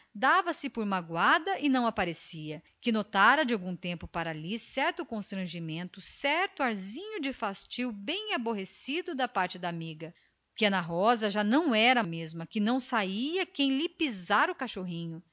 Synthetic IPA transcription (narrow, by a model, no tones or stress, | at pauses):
d̪avɐsɪpʊɾmaɡwad̪ɐʔɪnɐ̃w̃apaɾesiɐ | kɪnot̪aɾɐd͡ʒɪawɡũt̪ẽmpʊpaɾalisɛɾt̪ʊkõst̪ɾɐ̃ʒimẽnt̪ʊsɛɾt̪ʊaɾzĩɲʊd͡ʒɪfast͡ʃiwbẽj̃aboɦesid̪ʊd̪ɐpaɾt͡ʃɪd̪aːmiɡɐ | kɪɐnaɦɔzɐʒanɐ̃w̃ɛɾɐmezmɐkɪnɐ̃w̃saiɐkẽj̃lipizaɾʊkaʃoɦĩɲʊ